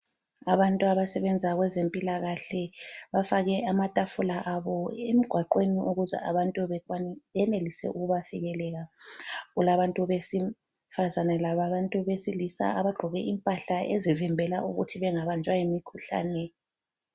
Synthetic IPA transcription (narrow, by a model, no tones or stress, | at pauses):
aβantʼuaβasɛβɛnd͡zʱaɣwɛzempʼilaɣaɬɛβafaɣɛamatʼafulaʔaβɔemiɡ̥ʱwaǃweniʔuɣuzɛ̰a̰βantʼuβɛkwanβɛnelisɛ̰ʔuɣuβafiɣɛlɛɣaɣulaβantʼuβesi | fazanɛlaβaβantʼuβesilisa̰ʔaβaɡ͡ǃ̥ʱɔɣɛʔimpʼaɬaezivimbʱɛla̰ʔuɣṵtʰiβɛŋaβand͡ʒʼwajimikʰuɬa̰ːnɛ